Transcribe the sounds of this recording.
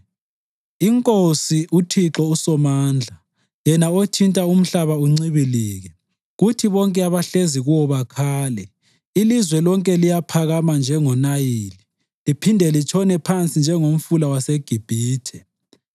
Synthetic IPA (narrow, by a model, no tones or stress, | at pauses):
iŋkʼosiʔutʰiǁɔusɔmaːnd͡ɮʱa | jɛnaotʰintʼaum̩ɬaβauŋ͡ǀiβiliːɣɛ | ɣutʰiβɔŋkʼɛaβaɬeziɣuɔβakʰaːlɛ | ilizwɛlɔŋkʼɛlijapʰaɣamand͡ʒʱɛŋɔnajiːli | lipʰindʱɛlit͡ʃʰɔnɛpʰant͡sʼind͡ʒʱɛŋom̩fulawaseɡ̥ʱib̥ʱiːtʰɛ